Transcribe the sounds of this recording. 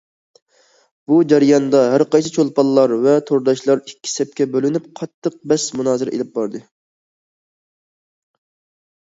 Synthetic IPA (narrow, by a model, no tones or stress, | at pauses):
b̥ud͡ʒæɾjɑnd̪ɑɦæɾqɑjsɨt͡ʃʰolˠpɑlˠːɑɾvɛt̪ʰoɾd̪ɑʃlˠɑɾikʲʰːi̥sɛp̚kʲɛbølɪnyp̚qʰɑt̪ʰːəq̚bɛsmunɑːzɨɾḛlɪp̚bɑɾd̪ɨ